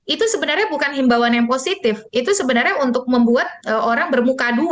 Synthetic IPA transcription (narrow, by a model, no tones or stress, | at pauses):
ʔit̪usəbənarɲabukanɦimbawanjaŋposit̪ɪfit̪usəbənarɲaunt̪ʊk̚məmbuat̪̚ʔəʔoɾaŋbərmukadu